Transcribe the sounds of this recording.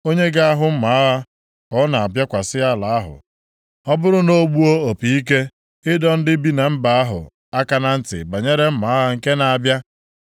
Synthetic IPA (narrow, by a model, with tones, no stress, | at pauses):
o˦ɲe˦ɡa˦a˦ɦʊ˨m̩˦ma˨˦ɣa˦ | ɔ˦na˨a˨bja˦kʷa˨sɪ˦a˦la˨a˦ɦʊ̰˨ | ɔ˦bʊ˦ɾʊ˦no˦ɡ͡bu˦o˦o˨pi˨i˦k̬e˦ | ɪ˦dɔ˦n̩˦dɪ˦bi˦na˨m̩˦ba˨a˦ɦʊ̰˨ | a˦ka˨na˦n̩˦tɪ̰˨ba˨ɲe˦ɾe˦m̩˦ma˨˦a˦ŋ̩˨ke˦na˨a˨bja˦